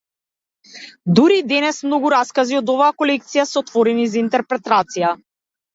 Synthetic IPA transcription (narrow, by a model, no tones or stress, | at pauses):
d̪uɾid̪ɛnɛsmnɔɡuɾaskaziɔd̪ɔvaːkɔlɛk̚t̪sijasɛɔt̪vɔɾɛnizaint̪ɛɾpɾɛt̪at̪sija